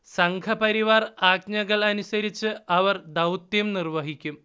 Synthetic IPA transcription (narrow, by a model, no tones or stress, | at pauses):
sɐŋkʰɐpɐɾiʋaːraːɡɲɐɣɐɭɐnusɐɾit͡ɕːɨɐʋɐrd̪ɐwt̪jɐmnirʋɐɦikʲːum